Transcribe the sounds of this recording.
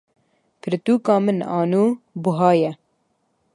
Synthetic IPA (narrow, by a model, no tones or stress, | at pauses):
pʰɨɾt̪uːkɑːmɨnɑ̰ːnuːbuɦɑːjɛ